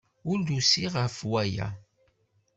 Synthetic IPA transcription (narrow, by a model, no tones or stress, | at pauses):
ʊɾd̪usiʁəfwæja̰